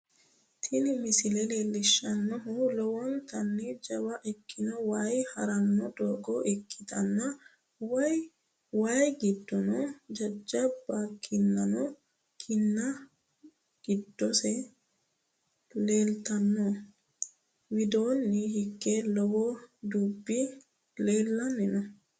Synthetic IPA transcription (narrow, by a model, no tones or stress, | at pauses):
t̪ʰɪnɪmɪsɪlɛleːlːɪʃːɐnːɔɦulɔwɔnt̪ɐnːɛd͡ʒɐwɐʔɛkːɪnɔwaːjhɐɾɐnːɔd̪oːɡɔʔɛkʰːɪt̪ɐnːɐ | wɔj | waːjɡɪd̪ːɔnɔd͡ʒɐd͡ʒːɐbːakʰːinːanɔ | kʰinːa | ɡ̥idːɔsɛ | lɛːlt̪anːɔ | wid̪oːnːihikːɛlɔwɔdubːi | lɛːlːanːinɔ